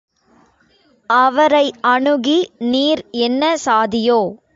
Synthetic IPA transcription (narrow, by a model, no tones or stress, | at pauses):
ʔɐʋɐɾɐɪʔɐɳɯɣiniːɾɛnːɐsaːðɪjoː